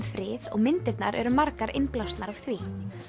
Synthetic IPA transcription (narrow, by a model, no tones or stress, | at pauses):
nfɾɪːðɔ̰ɣmɪnt̪ɪɾt̪na̰ɾʔɛ̰ɾʏmaɾkaɾɪnplawst̪naɾav̥θviː